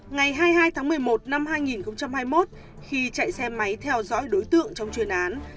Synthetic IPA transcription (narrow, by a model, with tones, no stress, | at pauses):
ŋa˨˩jɦaː˧jɦaː˧jt̪ʰaː˨˦ŋmɨ˨˩əjmo˨˩t̚na˧mhaː˧jŋi˨˩nxə˧wŋ͡mt͡ɕa˧mhaː˧jmo˦˥t̚ | xi˧t͡ɕa̰˧˨jsɛ˧ma˨˦jt̪ʰɛ˧wzɔ̰˧˥jɗo˨˦jt̪ɨ̰˧˨əŋt͡ɕɔ˧wŋ͡mt͡ɕwi˨˩ənʔaː˨˦n